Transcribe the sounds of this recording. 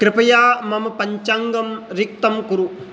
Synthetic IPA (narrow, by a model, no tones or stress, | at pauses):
kɾɪpɐjaːmɐmɐpɐɲt͡ʃaːŋɡɐmɾik̚t̪ɐmkuɾu